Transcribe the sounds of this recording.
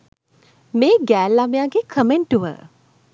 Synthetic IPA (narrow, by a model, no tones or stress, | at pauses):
meːɡæːlːamejaɡekʰəmeɳʈuʋə̰